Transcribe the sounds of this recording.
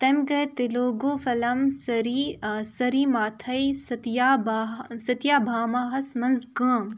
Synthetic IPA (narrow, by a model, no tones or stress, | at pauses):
t̪ɐmɡɐɾt̪iloːɡoːfɐlɐmsɐɾisɐɾiːmaːt̪ʰɐjsɐt̪jaːbsɐt̪ijaːbʱaːmaːɦɐsmɐnzɡəːm